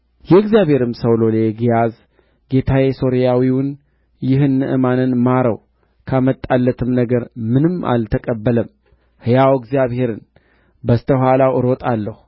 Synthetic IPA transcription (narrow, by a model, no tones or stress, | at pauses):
jɛɨɡzijaβhe̞ɾɨmsəwloleɡijaz | ɡe̞t̪ʰaweso̞ɾijawiwʊn | jɪɦɨnːɨʔɨmanɨnmaɾəw | kʰamət̪ʼːalːət̪ʰɨmnəɡəɾmɨnɨma̰lt̪ʰəkʼəbːələm | hɨjawɨɡzijaβhe̞ɾɨn | bəst̪ʰəhʷalawʔɨɾot̪ʼalːəhu